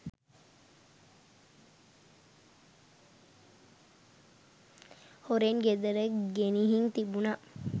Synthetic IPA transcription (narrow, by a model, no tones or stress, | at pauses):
hoɾeŋɡed̪ɐɾəɡeniɦiŋt̪ibuna